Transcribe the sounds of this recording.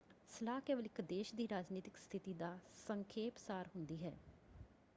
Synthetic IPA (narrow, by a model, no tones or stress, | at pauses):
səlaːkeːʋəlɪkd̪eːʃd̪iːɾaːd͡ʒniːt̪ɪkst̪ʰɪt̪iːd̪aːsəŋkʰeːpsaːɾɦʊnd̪iːɦɛː